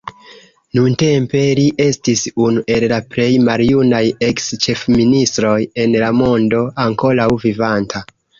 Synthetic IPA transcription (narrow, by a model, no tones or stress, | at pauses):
nunte̞mpe̞liʔe̞stisunuʔe̞llaple̞jmaljunaje̞kst͡ʃe̞fministɾo̞je̞nlamo̞ndo̞aŋko̞lawvivantʰa